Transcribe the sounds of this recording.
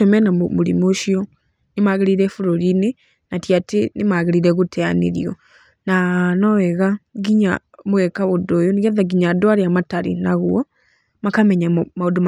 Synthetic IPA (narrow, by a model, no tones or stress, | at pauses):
omɛnamuɾḭmoʃiɔ | nemaːɣeɾiɾefuɾoɾine | natjatenemaɣeɾiɾeɣutɛanḛɾḭɔ | nanɔwɛɣaɡiɲa̰ | muɣɛkaβodoːjoniɣɛðaɡiɲadwaɾiamataɾḭnaɣuɔ | makamɛɲamaodoma